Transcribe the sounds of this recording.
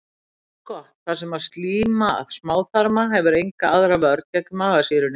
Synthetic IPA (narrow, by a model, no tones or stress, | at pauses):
kʰɔht̪θasɛmast̪liːmaa̰ðsmaːwθaɾmaɦɛvʏɾejŋkaaðɾavɪœɾt̪ɛkʏmaɣaðsɪɾʏn